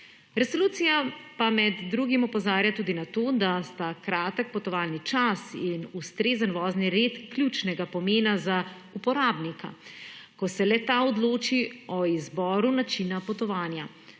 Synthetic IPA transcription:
ɾɛsoluːt̪sijapamɛd̪ːɾuːɡimɔpɔzaːɾjat̪uːd̪inat̪oːd̪ast̪akɾaːt̪ək̚pɔt̪ɔʋaːlnit͡ʃasinust̪ɾeːzənʋɔːzniɾet̪klʲjut͡ʃnɛɡapɔmeːnaza | upɔɾaːbnikʰa̰kɔsɛlɛt̪aɔd̪loːt͡ʃiɔizbɔːɾunat͡ʃinapɔt̪ɔʋaːnja

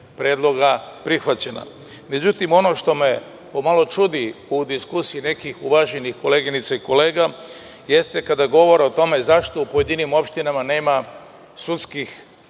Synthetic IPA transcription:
pɾe̞ːd̪lˠo̞ɡapɾixʋat͡ɕe̞na̰ | me̞d͡ʑut̪imo̞no̞ʃt̪o̞me | po̞malo̞t͡ʃud̪iud̪iskusijine̞kixuʋaʒenixko̞le̞ːɡinit̪saiko̞le̞ːɡa | je̞st̪e̞kad̪aɡo̞ʋo̞ɾeo̞t̪o̞me̞zaʃt̪o̞upoje̞d̪inimo̞pʃt̪inamane̞ːma | sut̪skix

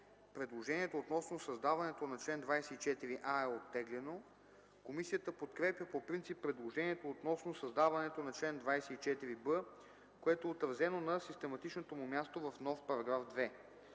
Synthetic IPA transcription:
pɾɛd̪lˠoʒɛnʲiɛt̪oːt̪nɔsnosɐzd̪avɐnɛt̪onɐt͡ʃlɛnd̪vajsɛit͡ʃɛt̪iɾiʔaɛot̪ːɛɡlɛno | komisijət̪əpot̪kɾɛpjəpopɾint̪sipːɾɛd̪lˠoʒɛniɛt̪oːt̪nɔsnosɐzd̪avɐnɛt̪onɐt͡ʃlɛnd̪vajsɛit͡ʃɛt̪iɾibɤ | koɛt̪oɛot̪ɾɐzɛnonɐsist̪ɛmɐt̪it͡ʃnot̪omumʲjast̪ovɐfnɔfpɐɾɐɡɾafd̪vɛ

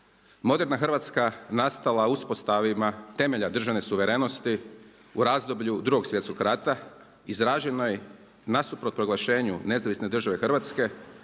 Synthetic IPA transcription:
mo̞d̪eɾnaxr̩ʋat̪skanast̪alˠauspo̞st̪aʋimat̪e̞me̞ʎad̪r̩ʒaʋne̞suʋe̞ɾeno̞st̪i | uɾazd̪o̞bʎud̪ɾuɡo̞ɡsʋje̞t̪sko̞ɡɾat̪a | izɾaːʒenoj | nasupɾot̪̚pɾo̞ɡlˠaʃe̞ːɲune̞zaʋisne̞d̪r̩ʒaʋe̞xrʋat̪ske̞

